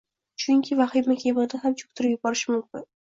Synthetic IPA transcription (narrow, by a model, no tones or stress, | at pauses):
t͡ʃʊŋkʲʰɪvaχɪmɪkʲʰebɨʁd̪ahamt͡ʃʰʊ̥kt̪ʰʊɾɪpjʊbɒɾɪʃɪmʊmkʊn